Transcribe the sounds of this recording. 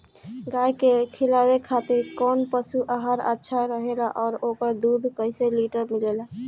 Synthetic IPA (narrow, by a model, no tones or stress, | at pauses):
ɡajkekʰilawekʰat̪iɾkɔnpəsuʔaɦaɾə̰tːʃʰaɾəɦelaʔɔːɾokəɾd̪ud̪ʱkəɪseliʈəɾmilela